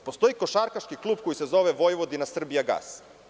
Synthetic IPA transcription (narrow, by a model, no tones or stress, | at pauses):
post̪o̞iko̞ʃaɾkaʃkiklˠuːb̚ko̞jise̞zo̞ʋeʋojʋod̪inasr̩bijaɡa̰ːs